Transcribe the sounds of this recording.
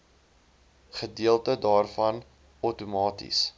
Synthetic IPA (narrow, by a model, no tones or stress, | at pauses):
χədiəlˠtədɑːrfɐn | ətumɑːtḭs